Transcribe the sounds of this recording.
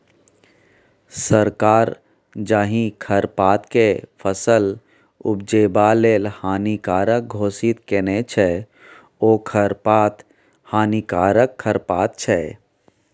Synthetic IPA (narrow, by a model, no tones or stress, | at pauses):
səɾkaːɾ | d͡ʒaːɦĩkʰəɾpaːt̪kepʰəsəl | ʊ̰bd͡ʒeːbaleːlhaːnikaːɾək̚ɡʱoːsit̪kenet͡ʃʰɛ | oːkʰəɾpaːt̪ | haːnikaːɾəkʰːəɾpaːt̪̚t͡ʃʰɛ